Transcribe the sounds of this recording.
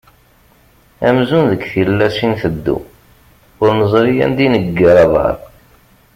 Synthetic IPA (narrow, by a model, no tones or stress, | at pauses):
æmzunðəɡθilːæsinθəd̪ːṵ | ʊɾnəzˤɾijæ̰nd̪inəɡːəɾɑðɑ̰ɾˤ